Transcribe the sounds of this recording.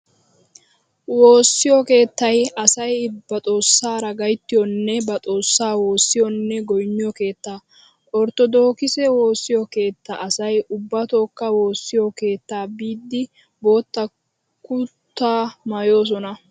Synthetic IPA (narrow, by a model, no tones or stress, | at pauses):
wo̞ːsːɪjɔke̞ːt̪ːɐjɐsɐjb̥ɐt̪ʼo̞ːsːaːɾɐɡɐjt̪ːɪjɔnːɛbɐt̪ʼo̞ːsːaːwo̞ːsːɪjɔnːɛɡɔjnːɪjɔke̞ːt̪ːaː | ʔɔɾt̪ɔd̪o̞ːkɪsɛwo̞ːsːɪjɔke̞ːt̪ːɐʔɐsɐjʊbːɐt̪o̞ːkːɐwo̞ːsːɪjɔke̞ːt̪ːaːbiːd̪ːɪ | bo̞ːt̪ːɐ | kut̪ːaːmaːjo̞ːs̬ɔnɐ